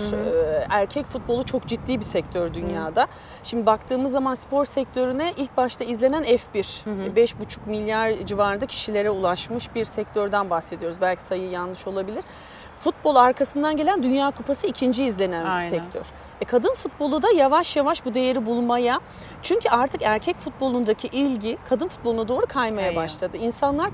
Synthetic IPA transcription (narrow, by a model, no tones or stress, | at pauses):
æɾcʰɛcfut̪̚bo̞lˠut͡ʃʰo̞kd͡ʒit̪ːiːbisɛct̪ʰøɾd̪ynjaːd̪a | ʃimd̪ibakt̪ʰɯːmɯzːamanspʰo̞ɾsɛct̪ʰø̞ɾynɛʔilʲc̚baʃt̪ʰaizlʲe̞nænɛfbiɾbɛʃbut͡ʃʰu̥kmilʲːjaɾd͡ʒivaːɾɯnacʰi̥ʃilʲe̞ɾɛulˠaʃmɯʃbiɾsɛct̪ʰøɾd̪ænbaxse̞d̪ijo̞ɾuzbælʲcʰi̥sajɯjanlˠɯʃo̞lˠabilʲiɾ̥ | fut̪̚bo̞lˠaɾkʰasɯnd̪anɟe̞lʲænd̪ynjaːkʰupʰasɯicʰind͡ʒiːzlʲe̞nænbisɛct̪ʰøɾ̥ | ɛkʰad̪ɯnfut̪̚bo̞lˠud̪ajavaʃjavaʃbud̪e̞jeɾibulˠmaja | t͡ʃʰyɲcʰyʔaɾt̪ʰɯkæɾcʰɛcfut̪̚bo̞lˠund̪acʰiʔilʲɟikʰad̪ɯnfut̪̚bo̞lˠunad̪o̞ːɾukʰajmajabaʃlˠad̪ɯinsanlˠaɾ